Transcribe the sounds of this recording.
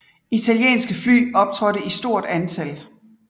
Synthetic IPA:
it͡sʰæljḛːnsɡ̥əfly̰ːɒ̽b̥̚t͡sʰʁɒɾ̥əisd̥o̝ɐ̰d̥ænt͡sʰæl

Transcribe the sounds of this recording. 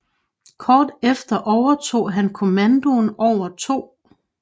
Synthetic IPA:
kʰɒːd̥efd̥ɐʔɒʊɐt͡sʰo̝̰ːɦænkʰo̝mænd̥o̝nɒʊ̰ɐt͡sʰo̝̰ː

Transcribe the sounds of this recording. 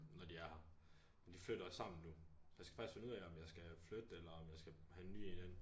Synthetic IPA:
nɒd̥iæɐhɑ | mend̥ifløɾ̥ɐsɑ̈m̰n̩nusj̥äsɡ̥fɑ̈ɡ̥isfe̝nuð̰ˠɛɒ̽mjɑ̈ɪsɡ̥æflød̥elɐɒ̽mjɑ̈ɪsɡ̥æhæenːy̰ːen̥en̰

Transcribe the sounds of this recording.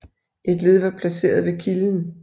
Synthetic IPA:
ʔe̝d̥le̝ð̞ˠʋɑ̈pʰlæse̝̰ːɐð̞ˠʋe̝kʰiln

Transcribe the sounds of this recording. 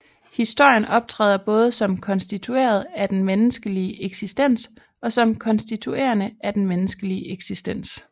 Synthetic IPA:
hisd̥o̝ɐ̰jənɒ̽b̥̚t͡sʰʁɛ̰ːð̞ˠɐb̥ɔ̽ːð̞ˠəsɒ̽mkʰɒ̽nsd̥it͡sʰue̝̰ːɐð̞̩ˠæd̥enmenəsɡ̥əliəʔeɡ̥sisd̥en̰s | ɒ̽sɒ̽mkʰɒ̽nsd̥it͡sʰue̝̰ːɐnəʔæd̥enmenəsɡ̥əliʔeɡ̥sisd̥en̰s

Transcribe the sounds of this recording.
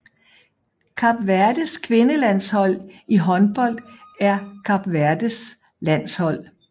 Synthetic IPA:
kʰɑ̈b̥ʋæɐd̥əskʰʋe̝nəlæn̰shɒ̽l̰iɦɒ̽nb̥ɒ̽l̰d̥æɐkʰɑ̈b̥ʋæɐd̥əs | læn̰shɒ̽l̰

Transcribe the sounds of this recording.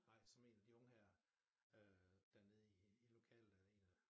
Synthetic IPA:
ɑ̈ɪ̰sɒ̽me̝̰ːnɛd̥iɔ̽ŋəhæɐ | ød̥æɐne̝ð̞̩ˠiːlo̝kʰɛ̰ːl̩d̥æe̝̰ːnæ

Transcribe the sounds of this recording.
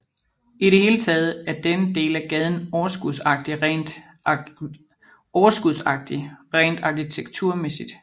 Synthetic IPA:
iɾe̝he̝ːlət͡sʰɛːð̞̩ˠæɐd̥enəd̥e̝̰ːlæɡ̥ɛð̞ˠn̩ɒʊɐsɡ̥uðˠsɑ̈ɡ̥̚d̥iʁɛnd̥ | ɒʊɐsɡ̥uðˠsɑ̈ɡ̥̚d̥iʁɛːnd̥ɑ̈kʰit͡sʰeɡ̥̚t͡sʰuɐmesid̥

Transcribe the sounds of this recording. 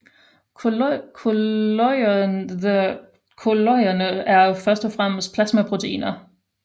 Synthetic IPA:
kʰolɔɪɐnəæɐfɶɐsd̥ɒfʁam̰sd̥̚pʰlæsmæpʰʁo̝t͡sʰeḭːnɐ

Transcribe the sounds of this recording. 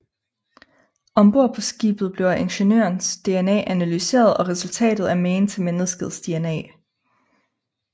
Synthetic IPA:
ɒ̽mb̥o̝ɐpʰɒ̽sɡ̥ḭːb̥ð̞̩ˠb̥le̝ʊʔenɕe̝nø̰ɐnsd̥e̝enɛ̰ːʔænælyse̝̰ːɐð̞ˠɒ̽ʁɛsult͡sʰɛ̰ːd̥ð̞̩ˠæɐmeːnt͡sʰe̝menðˠsɡ̥ð̩ˠsd̥e̝enɛ̰ː

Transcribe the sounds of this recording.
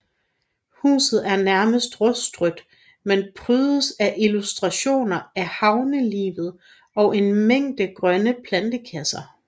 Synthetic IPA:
hṵːsð̞̩ˠæɐnæɐməsd̥ʁɔsd̥ʁœd̥ | menpʰʁyːðˠəsæʔilusd̥ʁɑ̈ɕo̝̰ːnɐæhɑ̈ʊnəlḭːʋð̞̩ˠ | ɒ̽ʔe̝nmeŋ̰d̥əɡ̥ʁɶnəpʰlænd̥əkʰæsɐ

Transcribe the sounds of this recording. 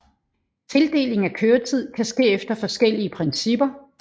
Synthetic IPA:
t͡sʰe̝ld̥e̝̰ːle̝ŋ̩ækʰøːɐt͡sʰið̞̰ˠkʰæsɡ̥e̝̰ːefd̥ɐfɒ̽sɡ̥el̰iəpʰʁɛnsib̥ɐ

